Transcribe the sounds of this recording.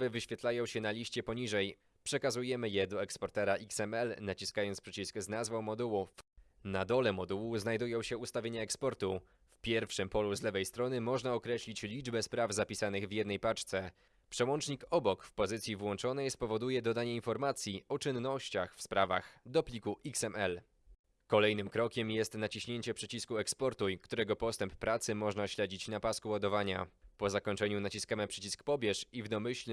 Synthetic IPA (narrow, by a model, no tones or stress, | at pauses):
vɘvɘɕfʲjɛt̪lajɔ̃w̃ɕɛnalʲiɕt͡ɕɛpɔɲiʐɛj | pʂɛkazujɛmɘjɛd̪ɔɛkspɔɾt̪ɛɾaʔiksɛmɛlnat͡ɕiskajɔnt̪pʂɛt͡ɕiskznazvɔ̃w̃mɔd̪uwu | nad̪ɔlɛmɔd̪uwuznajd̪ujɔ̃w̃ɕɛust̪avʲeɲaɛkspɔɾt̪u | fpʲjɛɾfʂɘmpɔluzlɛvɛjst̪ɾɔnɘmɔʐnaɔkɾɛɕlʲit͡ɕlʲid͡ʐbɛspɾavzapʲisanɘɣvjɛd̪nɛjpat͡ʂt̪sɛ | pʂɛwɔnt͡ʂɲikɔbɔkfpɔzɘt̪sʲjivwɔnt͡ʂɔnɛjspɔvɔd̪ujɛd̪ɔd̪aɲɛinfɔɾmat̪sʲjiɔt͡ʂɘnːɔɕt͡ɕaxfspɾava̰xd̪ɔplʲikuʔiksɛmɛl | kɔlɛjnɘmkɾɔkʲɛmjɛst̪nat͡ɕiɕɲeɲt͡ɕɛpʂɘt͡ɕiskuɛkspɔɾt̪ujkt̪uɾɛɡɔpɔst̪ɛmpːɾat̪sɘmɔʐnaɕlɛd͡ʑit͡ɕnapaskuwad̪ɔvaɲa̰pɔzakɔɲt͡ʂɛɲunat͡ɕiskamapʂɛt͡ɕiskpɔbʲjɛʂivd̪ɔmɘɕl